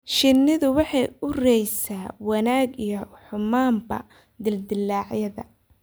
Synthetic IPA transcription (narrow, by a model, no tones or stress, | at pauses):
ʃɪnːɪðʊwɑħɑjʊrɛjsaːwɐnaːɡijɞħʊmaːmbɐ̰ | d̪ɪld̪ɪlːaːʕjɐðɐ̰